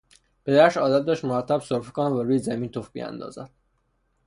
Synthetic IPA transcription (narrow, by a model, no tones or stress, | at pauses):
pe̞d̪æɾʃɒːd̪æt̪̚d̪ɒːʃt̪moɾæt̪ʰːæbsoɾfekʰonævæɾuːjezæmiːnt̪ʰofbḭjæ̰nd̪ɒ̰ːzæ̰d̪̥̚